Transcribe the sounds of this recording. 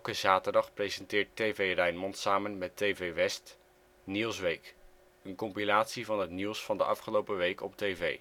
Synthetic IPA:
ɛlˠkəzaːtəɹdɑχprejzɛntɪːɹtːejvejrɛjnmɔntsaːmənmɛtejvejʋɛst | nilˠsʋejk | ənkɔmpilaːtsivɑnɦətnilˠsfɑndəʔɑ̰fχəlowpəʋejkɔp̚tejvḛj

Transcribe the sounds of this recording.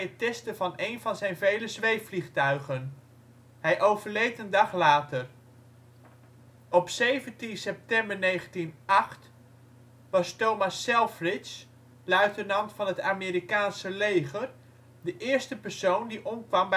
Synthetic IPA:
ətɛstəvɑnejnvɑnzɛjnvejləzʋejfliχtœɥχən | ɦɛjʔowvəɹlejtəndɑχlaːtər | ɔpsejvəntinsɛp̚tɛmbəɹnejχəntinɑχt | ʋɑstowmɑsːɛlˠfrɪs | lœɥtənɑntfɑnɦətaːmiɾikaːnsəlejχəɹ | dəʔɪːɹstəpəɹsowndiʔɔmkʋɑmb

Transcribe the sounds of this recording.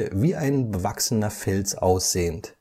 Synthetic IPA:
əviːʔaɪnbəvaksənɐfɛlsʔa̰ʊsz̥eːənt

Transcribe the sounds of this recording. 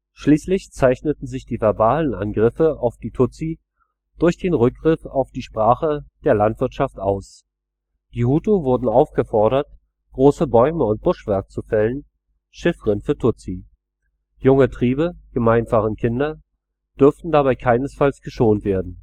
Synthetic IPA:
ʃliːslɪçt͡saɪçnətn̩zɪçd̥iːvɛɐbaːlənʔa̰nɡʁɪfəaʊfd̥iːtʰʊt͡si | d̥ʊɐçd̥eːnʁʏk̚ɡ̥ʁɪfa̰ʊfd̥iːʃpʁ̥aːχəd̥eːɐlantv̥ɪɐtʃaftʔaʊs | d̥iːhuːtuvʊɐdn̩aʊfɡ̥əfɔɐɾɐt | ɡ̥ʁoːsəbɔʏməʊnt̚b̥ʊʃv̥ɛɐkət͡sufɛlən | ʃɪfəʁɪnfyːɐtʰʊt͡si | jʊŋətʁ̥iːbəɡ̥əmaɪnfaʁənkʰɪndɐ | d̥ʏɐftn̩dabaɪkʰaɪnəsfalsɡ̥əʃoːntv̥eːɐdn̩

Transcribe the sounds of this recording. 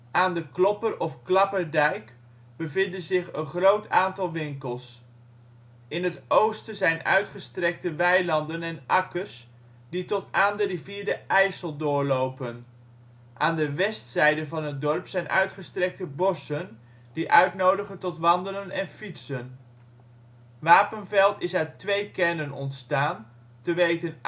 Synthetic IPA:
ʔaːndəklɔpərɔfklɑpəɹdɛjk | b̥əvɪndənzɪχənχrowtaːntɑlˠʋɪŋkəlˠs | ɪnɦətowstəzɛjnœ̰ɥtχəstrɛk̚təʋɛjlɑndənɛnʔɑkəs | ditɔtaːndəriviːɹdəʔɛjsəlˠdʊːɹlowpən | ʔaːndəʋɛstsɛjdəvɑnɦət̚dɔɹpsɛjnʔœ̰ɥtχəstrɛk̚təbɔsən | diʔœɥtnowdəχəntɔtʋɑndələnɛnfitsən | ʋaːpənvɛlˠtɪsœɥtʋejkɛlənɔ̰ntstaːn | təʋejtən

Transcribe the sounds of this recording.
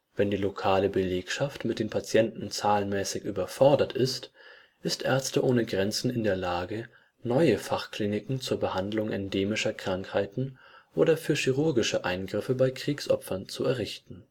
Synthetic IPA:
vɛndiːlokʰaːləbəleːkʃaftmɪt̚d̥eːnpʰat͡sjɛntn̩t͡saːlnmɛːsɪçʔyːbɐfɔɐdɐtʰʔɪst | ʔɪstʔɛɐt͡stəʔoːnəɡʁɛnt͡sn̩ɪndeːɐlaːɡə | nɔʏəfaχkliːnɪkŋ̩t͡suːɐbəhandlʊŋʔɛndeːmɪʃɐkʁ̥aŋkhaɪtn̩ʔoːɾɐfyːɐʃiʁʊɐɡɪʃəʔaɪnɡʁɪfəbaɪkʁ̥iːksʔɔpfɐnt͡suɛɐʁɪçtn̩

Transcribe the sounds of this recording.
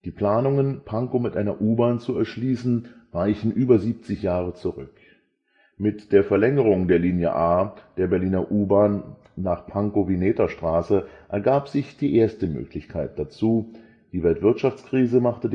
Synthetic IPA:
d̥iːpl̥aːnʊŋənpʰaŋkomɪtʔaɪnɐʔuːbaːnt͡suɛɐʃliːsn̩vaɪçn̩ʔyːbɐziːp̚t͡sɪçjaːʁ̞ət͡suʁʏ̰k | mɪtd̥eːɐfɛɐlɛŋəʁ̞ʊŋdeːɐliːnjə̰ʔaːd̥eːɐbɛɐliːnɐʔuːbaːnː | aːχpʰaŋkovineːtɐʃtʁ̥aːsəʔɛɐɡaːpz̥ɪçd̥iːʔeːɐstəmø̰ːklɪçkʰaɪt̚d̥at͡suː | d̥iːvɛltv̥ɪɐtʃaft͡skʁ̥iːzəmaχtə

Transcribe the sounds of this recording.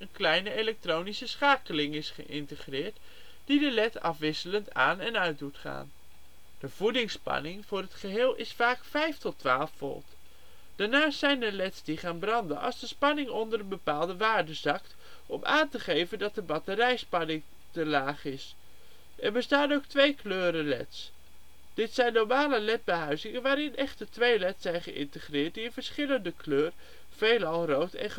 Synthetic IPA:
ənklɛjnəelɛk̚trownisəsχaːkəlɪŋɪsχə̰ʔɪntəχrɪːɹt | d̥idəlɛtɑ̰fʋɪsələnta̰ːnɛnœɥt̚dutχa̰ːn | d̥əv̥udɪŋspɑ̰nɪŋv̥ʊːrɦətχəɦɪːlˠɪ̰sfaːkfɛjftɔtʋa̰ːlˠfːɔ̰lˠt | d̥aːnaːstːɛjndəlɛtsdiχaːnbrɑndə̰nʔɑ̰lˠzdəspɑnɪŋɔndəɾənbəpaːlˠdəʋaːɹdəzɑkt | ɔmʔa̰ːntəχejvəndɑtəbɑtəɾɛjspɑnɪŋ | təlaːχɪs | ɛɹbəstaːnowk̚tʋejkløːɾəlɛ̰ts | d̥ɪtsɛjnːɔɹmaːləlɛt̚bəɦœɥzɪŋənʋaːɾɪnʔɛχtətʋejlɛtsɛjnχəʔɪ̰ntəχrɪːɹtdiɪnvəɹsχɪləndəkløːr | v̥ejlɑlˠrowtɛ̰nχ

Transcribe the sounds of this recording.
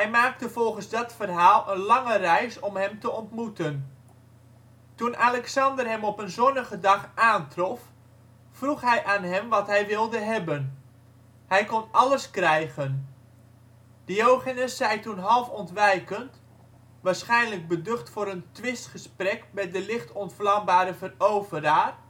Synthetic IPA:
ɦɛjmaːk̚təv̥ɔlˠχənzdɑtfərɦaːlˠənlɑŋərɛjsɔmɦɛmtəɔntmutən | tunʔalɛksɑndərɦɛmɔpənzɔnəχədɑχʔaːntrɔf | fruχɦɛjʔaːnɦɛmʋɑtɦɛjʋɪlˠdəɦɛbən | hɛjkɔnɑləskrɛjχən | d̥əjowχanəsːɛjtunɦɑlˠfɔntʋɛjkənt | ʋaːɹsχɛjnləɡ̚bədɵχtfʊːɾəntʋɪstχəsprɛkmɛdəlɪχtɔntflɑmbaːɾəvərowvəraːr

